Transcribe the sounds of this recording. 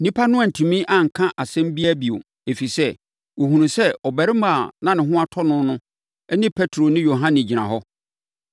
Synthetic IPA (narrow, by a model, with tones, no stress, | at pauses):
nĩ˦pʰa˦nʊ̃˦a˨n̩˨tʰũ˨mĩ˦ʔã˨ŋ̩˨kʰã˦ʔa˨sɛ̃˦m˦bi˦æ˦bi˨o̰˨ | e˨fi˨sɛ˦ | wo˨hũ˨nũ˨sɛ˦ɔ˨bɛ˨ɾɪ˦ma˨nã˦nɪ̃˨ɦʊ̃˦a˦tʰɔ˦nʊ̃˦nʊ̃˦ | ɛ˦nɪ̃˦pʰɛ˦tʰɾo˨nɪ̃˦jo˨ɦã˦nɪ̃˨d͡ʑi˨nã˨ɦɔ˦